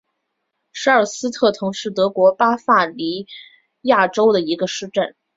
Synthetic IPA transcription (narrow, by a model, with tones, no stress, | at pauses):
ʂɻ̩˧˥ə˞˨˩sɹ̩˥t̪ʰɤ˥˩t̪ʰʊ˧˥ŋʂɻ̩˥˩t̪ɤ˧˥kwɔ˧˥pa˥fa˥˩li˧˥ | ja˥˩ʈ͡ʂo˥ʊd̪ə˨i˧˥ɡə˧ʂɻ̩˥˧ʈ͡ʂə˥˩n